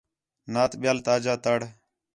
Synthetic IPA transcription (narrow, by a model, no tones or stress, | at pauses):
naːt̪ɓɪjaːlt̪aːd͡ʒaːt̪əɽ